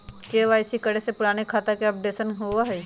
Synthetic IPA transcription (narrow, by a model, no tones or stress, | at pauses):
keʋaːɪsikɐɽesepʊɾaːnekʰaːt̪akeɐp̚ɖeːsənɦoʋaɦɛi